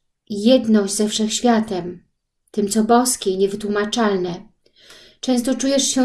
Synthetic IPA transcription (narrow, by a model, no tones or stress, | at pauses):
jɛd̪nɔd͡ʑʲzɛfʂɛxɕfʲjat̪ɛm | t̪ɘmt̪sɔbɔskʲɛiɲɛvɘt̪wumat͡ʂalnɛ | t͡ʂɛ̃w̃st̪ɔt͡ʂujɛʂɕɛ